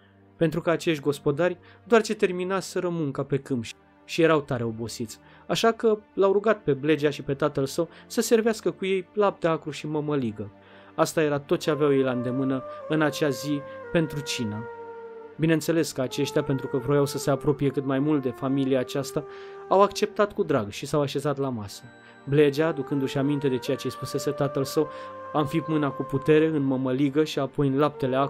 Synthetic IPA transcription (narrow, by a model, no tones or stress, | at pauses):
pe̞nt̪ɾukaːt͡ʃe̞ʃtʲɡo̞spo̞d̪arʲ | d̪oart͡ʃe̞t̪e̞rminasəɾəmuŋkape̞kɨmpʃ | ʃije̞ɾawt̪aɾe̞o̞bo̞sit̪sʲ | aʃakəlawɾuɡat̪̚pe̞ble̞d͡ʒaʃipe̞t̪at̪əlsəwsəse̞rveaskəkuje̞jlap̚t̪eakɾuʃiməməliɡə | ast̪aje̞ɾat̪o̞t̪̚t͡ʃe̞aveawjejlaɨnd̪e̞mɨnəɨnat͡ʃazipe̞nt̪ɾut͡ʃinə | bine̞nse̞le̞skəat͡ʃe̞ʃt̪ʲjape̞nt̪ɾukəvɾojawsəse̞apɾo̞pije̞kɨt̪majmult̪̚d̪e̞familiaːt͡ʃast̪aawakt͡ʃe̞p̚t̪at̪kud̪ɾaɡʃisawaʃe̞zat̪lamasə | ble̞d͡ʒad̪ukɨnd̪uʃiamint̪e̞d̪e̞t͡ʃe̞jat͡ʃe̞spuse̞se̞t̪at̪əlsəwamfit̪mɨnakuput̪e̞ɾe̞ɨnməməliɡəʃiapo̞jɨnlap̚t̪e̞le̞ak